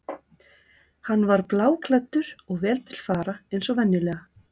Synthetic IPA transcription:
hanːvaɾplaːwkʰlɛt̪ːʏɾɔɣvɛːlt̪ʰɪl̥faːɾaejnsɔɣvɛnːɪlɛːɣa

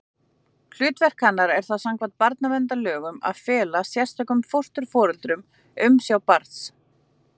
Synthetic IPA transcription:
kʰlʏːt̪vɛr̥khanːaɾɛɾ̥θaðsaŋkvant̪̚paɾt̪navɛnt̪alœːɣʏma̰ðfɛːlasjɛr̥st̪ʰɛkʏmfowrst̪ʏɾ̥fɔːɾʏlt̪ɾʏm | ʏmsjawpaɾt̪s

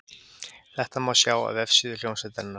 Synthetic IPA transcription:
θɛht̪amasjaːwa̰ðɛfsiðʏl̥jownsɛt̪ɛnːa

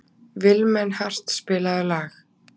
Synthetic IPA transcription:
vɪlmɛnːhar̥t̪spɪːlaðʏlaːx

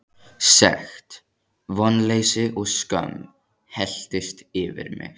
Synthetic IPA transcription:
sɛ̰xt̪ | vɔnːleːjsɪʔɔɣskœ̰m | hɛl̥t̪ɪst̪ɪvɪ̰ɾmɪ̰ɣ

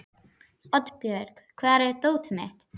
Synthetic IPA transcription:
ɔt̪pjœɾk | kʰvaːɾɛɾt̪oːwt̪ɪmɪht̪

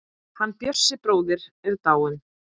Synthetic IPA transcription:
hanːpjœ̥sːɪpɾoːwðɪɾɛðt̪aːwʏn

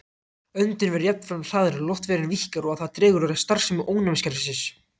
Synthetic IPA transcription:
œɥnt̪ɪnvɛɾjɛp̚nfɾanr̥aːðɾɪlɔwht̪vɛːɾɪnvihcaɾɔɣaðθaðt̪ɾɛːɣʏɾaɾast̪ar̥sɛmʏʔoːwnamscaɾfɪsɪs

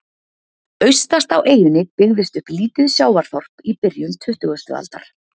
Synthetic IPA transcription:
œɥst̪ast̪awʔeːjʏnɪpɪɣðɪst̪ʏhpliːt̪ʏðsjaːwvaɾ̥θɔr̥pipɪɾjʏnt̪ʰʏht̪ʏɣʏst̪ʏ̰a̰lt̪a̰ɾ̥

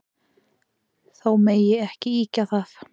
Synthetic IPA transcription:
θawmejɪɛhcɪiːcaθaθ

